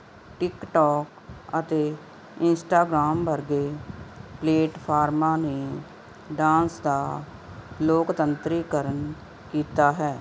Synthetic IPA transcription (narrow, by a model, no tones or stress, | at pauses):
ʈɪkʈɔːk | ət̪eː | ɪnsʈaːɡɾaːmbəɾɡeːpleːʈpʰaːɾmãːneː | ɖãːnsd̪aː | loːkt̪ənt̪ɾiːkəɾən | kiːt̪aːɦɛː